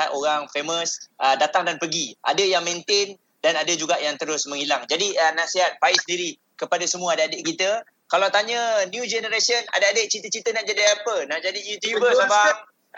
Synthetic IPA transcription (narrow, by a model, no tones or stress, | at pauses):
at̪oɾaŋfeməsədat̪aŋdanpəɡiʔa̰dəjaŋmẽnt̪en | danadad͡ʒuɡaʔjaŋt̪əɾʊsmə̃ŋilaŋd͡ʒadiənasiɦat̪̚paɪsəndiɾi | kəpadasəmũaːdaadəʔkit̪ə | kalawt̪aɲənjud͡ʒɛnəɾesəna̰daadəʔt͡ʃit̪ət͡ʃit̪ənaʔd͡ʒadiapənaʔd͡ʒadijut̪jubəsabaŋ